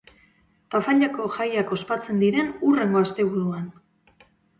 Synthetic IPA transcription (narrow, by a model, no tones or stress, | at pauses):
pafaʎako̞ʝajako̞spat͡se̞nd̪iɾe̞nure̞ŋɡo̞ast̪e̞βuɾuan